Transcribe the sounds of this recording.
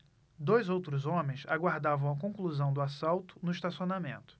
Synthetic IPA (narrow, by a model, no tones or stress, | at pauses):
d̪ojzowt̪ɾʊzõmẽj̃sa̰ɡwaɾd̪avɐ̃w̃ɐkõkluzɐ̃w̃d̪ʊasawt̪ʊ̥nʊiʃt̪asionamẽnt̪ʊ̥